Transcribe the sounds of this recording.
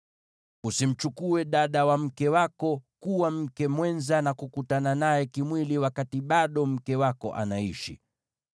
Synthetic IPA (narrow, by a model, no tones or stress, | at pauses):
usim̩t͡ʃukuɛɗaɗawam̩kɛwakɔkuwam̩kɛmwɛnzanakukutananajɛkimwiliwakatiɓaɗɔm̩kɛwakɔ̰ʔa̰naiʃḭ